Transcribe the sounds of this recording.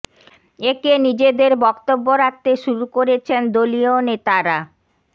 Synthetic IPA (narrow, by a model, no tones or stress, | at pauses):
ekenid͡ʑed̪eɾbɔkt̪obːoɾak̚t̪eʃuɾukoɾet͡ɕʰend̪olionet̪aɾa